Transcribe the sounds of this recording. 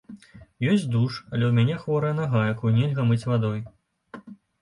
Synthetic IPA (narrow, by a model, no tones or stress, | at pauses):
jɔsʲt͡sʲd̪uʂɐlʲɛwmʲanʲɛxvɔɾɐjɐnaɣajkunʲɛlʲɣɐmɨt͡sʲvad̪ɔj